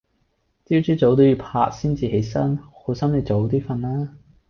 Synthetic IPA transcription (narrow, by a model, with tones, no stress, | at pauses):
t͡siː˥wt͡ʃyː˥t͡so˨˥wt̪o˥wjyː˨˧pʰa̰ː˧k̚siː˥nt͡siː˨ɦe˨˥jsɐ˥nho˨˥sɐ˥mne˨˧t͡so˨˥wt̪iː˥fɐ˧nlaː˥